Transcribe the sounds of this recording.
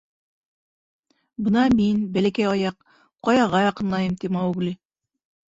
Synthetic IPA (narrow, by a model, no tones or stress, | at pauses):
bɤnɑminbælækæjɒjɑq | qːɒjɑʁɑjɑqɤ̆nlˠɑjɤmt̪imɑɡli